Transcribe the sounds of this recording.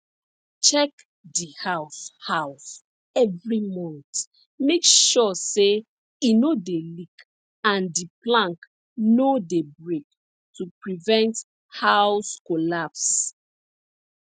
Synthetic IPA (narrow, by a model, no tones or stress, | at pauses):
t͡ʃɛk | dihawshaʊs | ɛvɹimɔ̃nt | mekʃɔse | inodelik | ãndiplãŋk | nodebɹek̚ | tupɹivɛ̃nt | hawskolaps